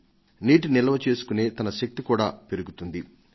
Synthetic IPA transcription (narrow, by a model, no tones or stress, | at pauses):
niːʈ̬unilɐʋɐt͡ʃe̞ːsu̥kuneːt̪ɐnɐʃɐk̚t̪ikuːɽa̰ːpe̞ɾuɡut̪und̪i